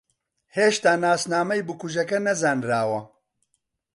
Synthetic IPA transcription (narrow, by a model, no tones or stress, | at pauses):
heːʃt̪aːnaːsnaːmɐjbɨkuʒɐkɐnɐzaːnɾaːwɐ